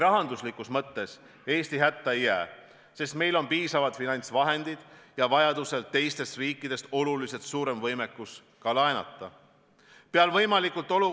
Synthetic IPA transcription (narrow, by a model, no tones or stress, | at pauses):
ɾɑɦɑnd̪uslikːˑusmɤt̪ːe̞s | e̞ːst̪iɦæt̪ˑːɑejːæː | se̞st̪me̞jlo̞npiːsɑvɑd̪finɑnʲt̪svɑɦe̞nd̪̥id̪̥jɑvɑjɑd̪use̞lt̪e̞jst̪e̞st̪riːkːˑid̪̥e̞st̪o̞lulise̞t̪suːɾe̞mvɤjme̞kːˑus | kɑlɑenɑ̰t̪ːˑɑ | peɑlvɤjmɑlikːˑult̪ˑo̞lu